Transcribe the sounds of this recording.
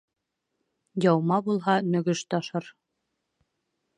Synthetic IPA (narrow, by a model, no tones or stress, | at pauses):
jɑwmɑbulˠɦɑmɵ̆ɡɵʃt̪ɑʃɤɾ